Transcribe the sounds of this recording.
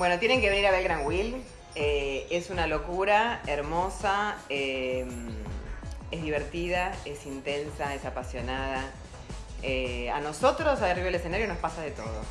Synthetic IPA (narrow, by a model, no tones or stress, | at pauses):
bwe̞not̪jenẽŋkeβeniɾaβelɣɾaŋɡwil | eesunalo̞kuɾaeɾmo̞saem | ezðiβeɾt̪iðae̞sint̪e̞nsaesapasjonaða | ea̰no̞so̞t̪ɾo̞saariβaelese̞naɾjonospasaðet̪o̞̰ð̞o̰